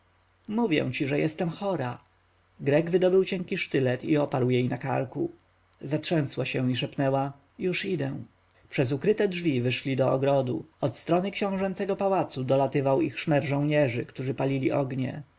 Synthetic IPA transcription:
muvʲjɛ̰w̃t͡ɕiʐɛjɛst̪ɛmxɔɾa | ɡɾɛɡvɘd̪ɔbɘwt͡ɕɛŋkʲiʂt̪ɘlɛt̪iɔpaɾwjejnaka̰ɾku | zatʂɛ̃swaɕɛ̃iʂɛpnɛwa | juʂid̪ɛ | pʂɛzukɾɘt̪ɛdʐvʲivɘʂlʲid̪ɔɔɡɾɔd̪ṵɔt̪st̪ɾɔnɘkɕɔ̃w̃ʐɛnt̪sɛɡɔpawat̪sud̪ɔlat̪ɘvawixʂmɛɾʐɔ̃w̃ɲɛʐɘkt̪uʐɘpalʲilʲiʔɔɡɲɛ̰

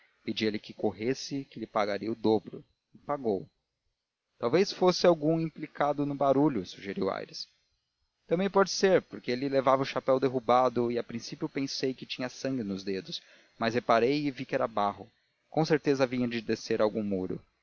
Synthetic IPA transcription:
ped͡ʒielɪkɪkoɦesɪkɪlɪpaɡaɾiɐʊd̪obɾʊ | ɪpaɡow | t̪awvejsfosɪawɡũĩplikad̪ʊnʊbaɾuʎʊsuʒeɾiwa̰jɾɪs | t̪ɐ̃bẽj̃pɔd͡ʒɪseɾpoɾkeelɪlevavɐʊʃapɛwd̪eɦubad̪ʊɪapɾĩsipjʊpẽsejkɪt͡ʃĩɲɐsɐ̃ŋɡɪnʊzd̪ed̪ʊs | mɐzhepaɾejɪvikɪɛɾɐbaɦʊ | kõw̃seɾt̪ezɐvĩɲɐd͡ʒɪd̪eseɾawɡũŋmuɾʊ̰

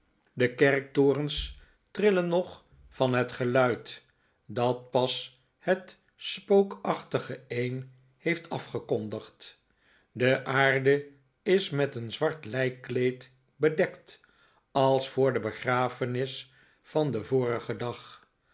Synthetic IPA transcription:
dəkɛrk̚tʊːrəns | trɪlənːɔχ | fɑnɦətχəlœɥt | dɑt̚pɑs | hət | spowkɑχtəχəejn | hejftʰɑfχəkɔndəχt | dəʔaːɹdə | ɪsmɛtənzʋɑɹtlɛjkːlejt | bədɛkt | ɑlˠsfʊːɹdəbəχraːfənɪs | fɑndəvʊːɾəχədɑχ

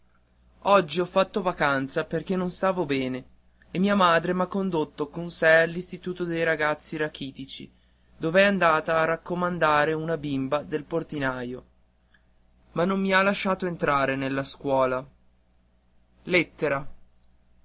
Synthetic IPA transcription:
ɔd͡ʒːiɔfːat̪ːovakant̪saperk̟enːonst̪aːvobɛːneː | mːiːamaːd̪ɾemakːond̪ot̪ːokonsɛalːist̪it̪uːt̪od̪ejɾaɡat̪sːiɾakiːt̪it͡ʃḭ | d̪oːvɛand̪aːt̪aːrːakːomand̪aːɾeunabimbad̪elport̪inaːjo | manːomːialːaʃːaːt̪oent̪ɾaːɾenelːaskwɔːla | let̪ːeɾa

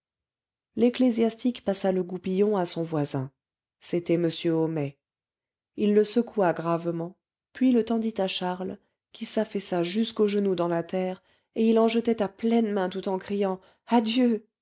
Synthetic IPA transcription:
leklezjast̪ikpasaləɡupijɔ̃asɔ̃vwazɛ̃ | set̪ɛməsjøɔmɛ | ilːəsəkuaɡʁavmɑ̃ | pɥilət̪ɑ̃d̪it̪aʃaʁl | kʲisafɛsaʒyskoʒənud̪ɑ̃lat̪ɛːʁ | eilɑ̃ʒət̪ɛt̪aplɛnmɛ̃t̪ut̪ɑ̃kχijɑ̃ | ad̪jø

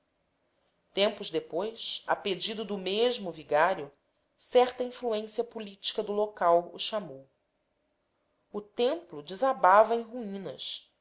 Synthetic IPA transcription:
t̪ẽmpʊzd̪epojsɐ̰ped͡ʒid̪ʊd̪ʊmeʒmʊviɡaɾjʊ | sɛχt̪ɐĩfluẽsiɐpulit͡ʃi̥kɐd̪ʊlokawṵʃamow | ʊt̪ẽmplʊd͡ʒɪzabavɐẽj̃ɦuĩnɐs

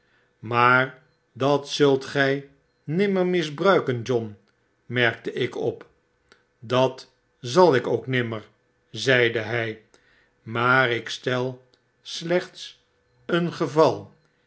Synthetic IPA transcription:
maːɹ | dɑtsɵlˠtχɛj | nɪməɹmɪzbrœɥkənd͡ʒɔn | mɛɹk̚təʔɪkɔp | dɑt | zɑlˠɪkowknɪməɹ | zɛjdəɦɛj | maːrɪkstɛlˠ | slɛχts | ənχəvɑlˠ

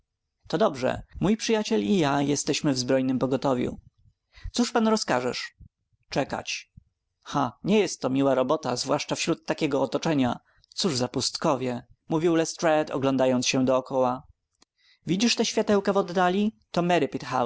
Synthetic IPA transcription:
t̪ɔd̪ɔbʐɛ̰mujpʂɨjat͡ɕɛlijajɛst̪ɛɕmɘvzbɾɔjnɘmpɔɡɔt̪ɔvʲjṵ | t̪suʂpanɾɔskaʐɛ̰ʂ | t͡ʂɛka̰t͡ɕ | xaɲɛjɛst̪ːɔmʲiwaɾɔbɔt̪azvwaʂt͡ʂafɕɾut̪ːakʲɛɡɔːt̪ɔt͡ʂɛɲa | t̪suʐzapust̪kɔvʲjɛmuvʲiwlɛst̪ɾɛt̪ɔ̰ɡlɔnd̪ajɔnsɕɛd̪ɔːkɔwa | vʲid͡ʑiʂt̪ɛɕfʲjat̪ɛwkɛvɔd̪ːalʲi | t̪ɔmɛɾɘpit̪xa̰w

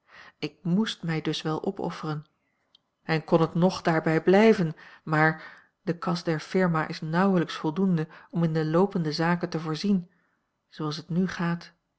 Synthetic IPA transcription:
ɪk̚mustmɛjdɵsʋɛlˠʔɔpɔ̰fərən | ɛnkɔnɦətnɔχd̥aːɹbɛjblɛjvənmaːɹ | dəkɑstdɛɹfɪɹmaːʔɪsnʌwələksfɔlˠdundəɔmɪndəlowpəndəzaːkəntəvʊːɹzin | z̥owɑlˠs̬ɦətnyχaːt

